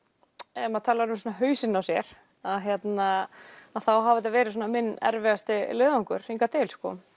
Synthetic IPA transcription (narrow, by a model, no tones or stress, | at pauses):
ɛmaðt̪ʰaːlaɾʏmsɔːnaɦœːɥsɪnːawsjɛɾ̥ | aðɦjɛt̪naaðθawɦaːvɪt̪avɛːɾɪs̬ɔːnamɪnːɛ̰ɾvɛɣast̪ɪlœːðɔŋkʏɾ̥iŋkat̪eːlskɔ̰